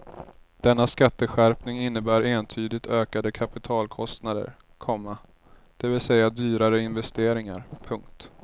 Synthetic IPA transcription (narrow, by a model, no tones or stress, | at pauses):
d̪̥ɛnːaskat̪ːəɧæɾpnɪŋɪnːəbæːɾeːnt̪ʰyːd̪ɪt̪ʰøːkad̪əkʰapɪt̪ʰɑːlkʰɔst̪nad̪ə̰ɾ | kʰɔmːa | d̪̥ɛvɪlsɛjːad̪yːɾaɾəɪnvɛst̪eːɾɪŋa̰ɾpʰɵŋk̚t̪